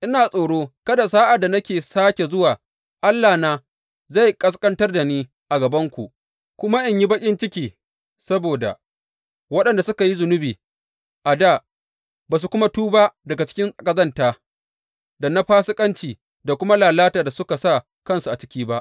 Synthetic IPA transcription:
ʔɪ˦naː˨sʼoː˨ɽoː˦kɐ˦da˨saː˦ʔa˨dːa˨nɐ˦kʲeː˨saː˦kʲe˨zʊ˦waː˨ | ʔa˦lːaː˨naː˦ | za˦˨jkʼɐ˦skʼɐ˦ntɐ˦rda˨niː˦ | ʔa˨ɡɐ˨bɐ˦ŋkʷu˨ʔ | kʷʊ˦ma˦ʔɪ˨ɲji˦bɐ˦kʲʼɪ˦nt͡ʃɪ˦kʲiː˨ | sɐ˦boː˨da̰˨ | wɐ˦ɗɐ˨nda˨sʊ˦ka˨ji˦zʊ˨nʊ˦biː˨ | ʔa˨daː˦˨ | baː˨s̬u˨kʷʊ˦ma˦tuː˦ba˦dɐ˨ɡa˨t͡ʃɪ̥˦kʲɪ˦nsʼɐ˨kʼɐ˦zɐ˦ntaː˨ | dɐ˨na˦ɸaː˦sɪ˦kʼɐ˦nt͡ʃiː˨ | da˨kʷʊ˦ma˦laː˨laː˦taː˨da˨sʊ˦ka˨sa˦˨ | kɐ˦nsu˨ʔa˨t͡ʃɪ̥˦kʲiː˦ba˦ʔ

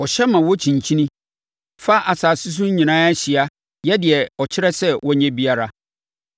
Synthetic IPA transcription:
ɔ˨ɕɛ˦mã˨wɔ˦t͡ɕʰĩ˨ɲ˨t͡ɕʰĩ˦nĩ˦ | fa˦ʔa˨saː˨sʊ˦s̬ʊ̃˦ɲĩ˨nãː˦ɛ˦ɕɪ˨a˦ | jɛ˦dɪ˨ɛ˨ɔ˨t͡ɕʰɪ˦ɾɛ˦sɛ˦wʔɔ˦ɲɛ̃˦bi˦a˦˨ɾa˦

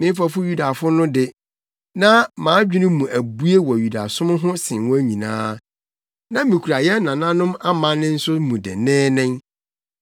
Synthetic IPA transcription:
mɪ̃˦m˦fa˦fʊ˦ju˦da˨fʊ˦nʊ̃˦dɪ˨ | nã˦mãː˨˦d͡ʑᶣi˦nɪ̃˦mũ˨ʔæ˨bu˦e˦wɔ˨ju˨da̰˨sʊ̃˦mʊ̃˦ɦʊ̃˦sɪ̃˨n˨wɔ̃˦ɲĩ˨nãː˦ | nã˦mĩ˨kʰu˨ɾa˨jɛ˦nã˨nã˦nʊ̃˦ma˦mã˨nɪ̃˦n̩˦sʊ˦mũ˨dɪ̰˨nɛ̃ː˦nɪ̃˦m

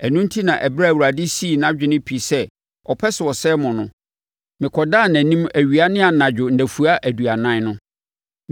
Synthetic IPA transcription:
æ˨nũ˦n˦tʰi˦nã˨ʔɛ˨bɾa˦˨wu˨ɾa˨dɪ˦si˦˨nã˦d͡ʑᶣɪ˦nɪ̃˦pʰi˨sɛ˦ | ɔ˨pʰɛ˦sɪ˨wɔ˨sɛː˦mɔ̃˨nʊ̃˦ | mɪ̃˨kʰɔ˨daː˦˨næ̃˨nĩ˦mæ˨ɥi˨a˦nɪ̃˦a˨nã˨d͡ʑᶣʊ˨n̩˨dæ˨fu˨a˦ʔæ˨du˨a˨nã˦nʊ̃˦

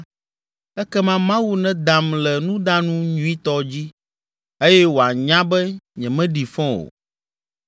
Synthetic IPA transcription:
ɛ˦kɛ˦mã˦mã˦wu˦nɛ̃˦d̪a˨mlɛ˨nũ˦d̪a˦nũ˦ɲũ˦i˦t̪ɔ˦d͡ʑi˦ | e˦jɛ˦wo˨a˨ɲã˦bɛ˦ɲɛ̃˨mɛ̃˦ɖi˨fɔ̃˦o̰˨

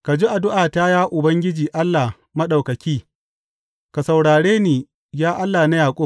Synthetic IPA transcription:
ka˨d͡ʒiː˦ʔa˨dʊ˦ʔaː˨taː˦jaː˦ʔʊ˨bɐ˦ŋɡʲɪ˦d͡ʒiː˨ʔa˦lːa˨ | mɐ˦ɗa˨wkɐ˨kʲiː˦ | ka˨sa˨wɽaː˨ɽeː˦niː˨ | jaː˦ʔa˦lːaː˨na˦jaː˨kʷʼʊ˦

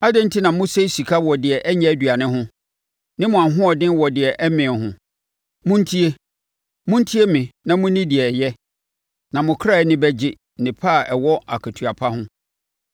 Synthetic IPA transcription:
a˦dɪ̃˦n̩˦tʰi˦nã˨mʊ̃˦se˦si˨kʰa˦wɔ˨dɪ˨ɛ˨ʔɛ˦ɲɛ̃˦æ˦dɥa˨nɪ̃˦ɦʊ̃˦ | nɪ̃˦mʊ̃˨a˨ɦʊ̃˦ɔ˨dɪ̃˦n˦wɔ˨dɪ˨ɛ˨ʔɛ˦mɪ̃˨ɦʊ̃˨ | mʊ̃˦n̩˦tʰi˦e˦ | mʊ̃˦n˦tʰi˦e˦mɪ̃˨nã˨mʊ̃˦nɪ̃˦dɪ˨ɛ˨jɛ˦ | nã˨mʊ̃˨kʰɾa˦˨˦nɪ̃˦bɛ˦d͡ʑɪ˦˨nɪ̃˨pʰa˦˨ɛ˨wɔ˦ʔa̰˨kʰa˨tʰu˨a˨pʰa˦hʊ̃˦

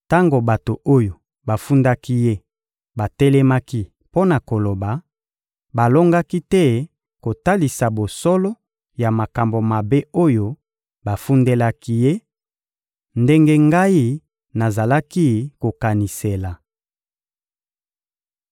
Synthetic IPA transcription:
ta˦ŋɡo˨ba˨to˨o˦jo˨ | ba˨fu˦nda˦ki˦je˦ | ba˨tɛ˦lɛ˦ma˦ki˦ | po˦na˨ko˨lo˨ba˨ | ba˨lo˦ŋɡa˦ki˦tɛ˦ | ko˨ta˦li˨sa˨bo˨sɔ˦lɔ˦ | ja˨ma˨ka˨mbo˨ma˨be˦o˦jo˦ | ba˨fu˦nde˦la˦ki˦je˦ | nde˦ŋɡe˦ŋɡa˦i˦ | na˨za˨la˦ki˦ko˨ka˨ni˨se˨la˨

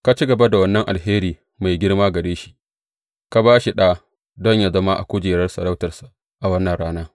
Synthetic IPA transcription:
ka˨t͡ʃi˦ɡɐ˨ba˦da˨wɐ˦nːɐ˦ŋʔa̰˨lɦeː˦ɾiː˨ | ma˨jɡʲɪ˦ɽmaː˦ɡɐ˨ɽeː˦ʃi̥˦ | ka˨baː˦ʃi˨ɗaː˦ | dɔ˦ɲja˨zɐ˦ma˦ʔa̰˨kʷʊ˦d͡ʒeː˨ɾɐ˦rsɐ˨ɽɐ˦wtɐ˨rsa˨ | ʔa˨wɐ˦nːɐ˨nɽaː˦naː˦

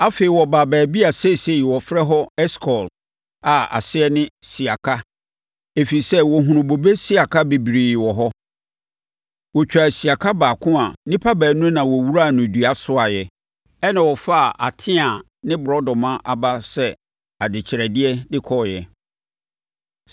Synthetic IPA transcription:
a˦fe˨ɪ˨wɔ˨baː˨bæː˨bi˦a˨se˦˨se˨wɔ˨fɾɛ˦ɦɔ˦ɛ˦skʰɔ˨l | a˨a̰˨sɪ˦ɛ˦nɪ̃˦si˨a˨kʰa˦ | e˦fi˨i˨sɛ˦wɔ˨ɦʊ̃˨ɾʊ̃˨bo˨be˦si˦a˨kʰa˦be˨bi˨ɾi˨jwɔ˨ɦɔ˦ | wɔ˨t͡ɕᶣa˨si˨a˨kʰa˦baː˨kʰʊ̃˦a˨nĩ˦pʰa˦bæː˨nʊ̃˦nã˨wɔ˨wu˦ɾa˦˨nʊ̃˨dɥa˨sʊ˦a˨jɛ˨ | ɛ˦nã˨wɔ˨fa˦˨ʔa̰˨tʰɪ̃˦a˨ | nɪ̃˦bɾɔ˦dɔ̃˨mã˦ʔa˨ba˦sɛ˦ | a˨dɪ˨t͡ɕʰɪ˨ɾɛ˨dɪ˦ɛ˦dɪ˦kʰɔ˦˨jɛ˨

